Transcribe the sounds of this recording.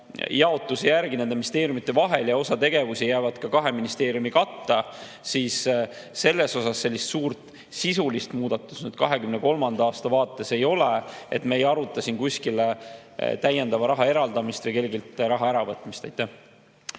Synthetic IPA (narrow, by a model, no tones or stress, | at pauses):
jɑo̞t̪ːˑusejærɡined̪emist̪e̞ːɾjumit̪ːˑe̞vɑɦe̞ljɑo̞sɑt̪e̞ɡe̞vusijæːvɑd̪kɑkɑɦe̞minist̪e̞ːɾijumikɑt̪ːɑ | siːsː | e̞lːe̞so̞sɑsːe̞lʲːist̪suːrt̪ˑ | sisulist̪muːd̪̥ɑt̪ːˑu̥snyd̪̥̚kɑɦe̞kymneko̞lmɑnd̪̥ɑɑːst̪ɑvɑːt̪ːˑe̞se̞jo̞lee̞̰t̪meejɑɾut̪ːˑɑsinkusʲkilet̪æje̞nd̪ɑvɑɾɑɦɑe̞ɾɑld̪ɑmist̪jɑjke̞lɡilt̪ɾɑɦɑæɾɑvɤt̪ːˑmist̪ejt̪ːˑæh